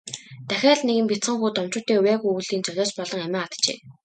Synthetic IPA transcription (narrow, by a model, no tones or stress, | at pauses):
t̪æxʲæːɮneɣɘ̆mpʲit͡sə̆ŋxuːt̪ɔmt͡ɕʊːt̪eːuwjæːɣujuːɮiːnt͡sœɣʲɔːt͡ɕpɔɮɞ̆ŋæmʲæːat̪t͡ɕḛː